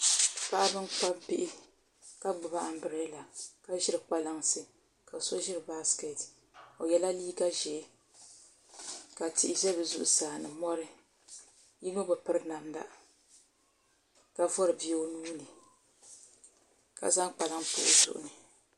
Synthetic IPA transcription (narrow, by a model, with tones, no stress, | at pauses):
pa˦ʔa˦bɨ˦ŋk͡pa˦bɪ˦ʔɪ˦ | ka˦ɡ͡bʊ˨ba˦ʔa˨m̩˦bɨ˨ɾɛ˦la˨ka˦ʒɪ˦ɾɨ˨k͡pa˦la˦ŋsɨ˨ | ka˨sɔ˦ʒɪ˦ɾɨ˨ba˦ske˨t | o˨jɛ˨la˦liː˦ɡa˦ʒɛ˨˦ | ka˨tɪ̰˦ʔɪ˦ʒɛ˦bɨ˨zʊ̰˦ʔʊ˨saː˨nɨ˨mɔ˦ɾɨ˦ | ji˦no˦bɨ˨pɨ˦ɾna˨mda̰˦ | ka˨vɔ˦ɾɨ˨bi˦o˦nuː˦nɨ˨ | ka̰˨za˦ŋk͡pa˨la˦ŋpʊ̰ː˦˨zʊ̰˨ʔʊ̰˨nɨ˨